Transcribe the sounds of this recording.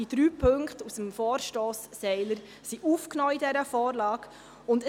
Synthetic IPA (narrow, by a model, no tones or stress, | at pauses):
id̥ɾyːpʰɵŋkχtusəmfɔːɾʃtɔːsːɛɪləɾ | siʔuːfknɔːidɛɾəfɔːɾlɑːk | ʊndə